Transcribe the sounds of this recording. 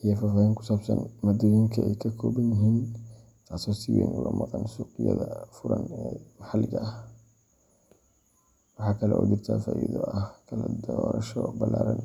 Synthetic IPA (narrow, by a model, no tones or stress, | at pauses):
ʔijɔfaːfaːhɪŋkʰʊ̥saːbsɐnmɐd̪ɪɣiŋkʰɐɛjkʰɐkʰɔːbɐnɪɦiːn | t̪ʰaːsɔːsiwɛ̰nʔʊlɔmɑqɑnsuːqɪjɐ̰ðɐfʊɾɐnɛmɑħɑlːɪɣɐʔɐh | wɑħɑːkʰɐlɛʔɔːd͡ʒɪrt̪ʰafaːʔiðɔɐhkʰɐlɐd̪ɔːɾɐʃɔbɐlaːɾɐn